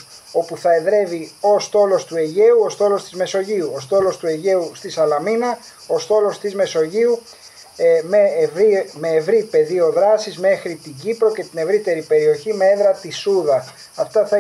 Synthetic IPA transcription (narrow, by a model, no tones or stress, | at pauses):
o̞puθɐe̞ðɾe̞vio̞st̪o̞lo̞st̪ue̞ʝe̞uost̪o̞lo̞st̪izme̞so̞ʝiuost̪o̞lo̞st̪ue̞ʝe̞ust̪isɐlɐminɐ | ost̪o̞lo̞st̪izme̞so̞ʝiu | mevɾime̞ːvɾipe̞ðio̞ðɾɐsizme̞xɾit̪iɟipɾo̞ce̞t̪ine̞vɾit̪e̞ɾipe̞ɾio̞çime̞eðɾɐt̪isuðɐ | ɐft̪ɐθɐ